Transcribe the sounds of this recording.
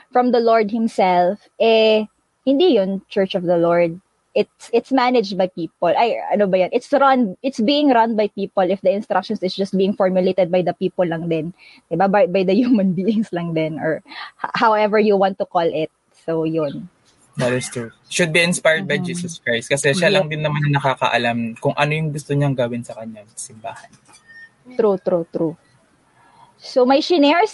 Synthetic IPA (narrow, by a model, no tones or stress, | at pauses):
fɹɐ̃md̪ɐloɹd̪̚hɪ̃msɛlfʔɛ | hɪ̃nd̪ijʊnt͡ʃɛɹt͡ʃɔvd̪ɐloɹd̪̚ | ʔɪt̪̚sɪt̪smanɛd͡ʒd̪̚bajpiːpɔlʔajɐ̰nobɐjʊnʔɪt̪sɹanɪt̪sbiːɪŋɹɐnbɐjpiːpɔlɪfd̪ɐɪ̃nst̪ɾak̚ʃɔ̃nsɪsd͡ʒɐst̪̚biːɪŋfɔɹmjʊlejt̪ɛd̪̚bɐjd̪ɐpiːpɔlːɐŋd̪ɛn | d̪ɪbababɐjd̪ɐhjumɐnbiːɪŋslɐŋd̪ɛnɔɹhhawʔɛvɛɹjuwãnt̪ːʊkolʔɪt̪̚ | sojʊn | d̪ɐt̪ɪst̪ɹu | ʃʊd̪̚biɪnspajd̪̚bɐjd͡ʒiːsɔskɹajst̪̚kɐsɛʃalɐŋd̪ɪnːɐmanɐnɐkaːkɐ̰ʔɐlamkʊŋʔɐnojʊŋɡʊst̪oɲaŋɡawɪnsɐkɐɲasɪmbaːhɐn | t̪ɾut̪ɾut̪ɾu | somɐjʃɪnɛɹs